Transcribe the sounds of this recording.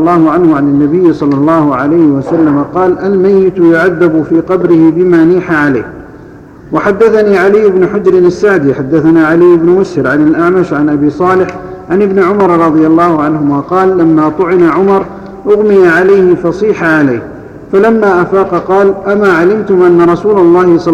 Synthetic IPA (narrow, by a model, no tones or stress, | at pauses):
lˤːɑːhʊʕanhʊʕanɪnːabɪjːsˤɑlːɑlˤːɑːhʊʕa̰lajhɪwasalːamaqɑːlʔalmajːɪt̪jʊʕaðːabʊfiːqɑbɾɪhɪbɪmaːniːħaʕala̰ːh | waħad̪ːaθaniːʕalɪjːɪbnʊħʊd͡ʒɾɪnasːaʕd̪iħad̪ːaθanaːʕalɪjːɪbnʊwʊshɪɾʕanalʔaʕmaʃʕanʔabiːsˤɑːlɪħ | ʕanʔɪbnɪʕʊmɑɾˤɾˤɑd̪ˤɨjalˤːɑːhʊʕanhʊmaːqɑːlːamːaːt̪ˤʊʕɪnaʕʊmɑɾˤ | ʔʊɣmɪjaʕalajhɪfɑsˤiːħaʕalajh | falamːaːʔafaːqɑqɑːlʔamaːʕalɪmt̪ʊmʔanːaɾˤɑsuːlɑlˤːɑːhɪsˤɑ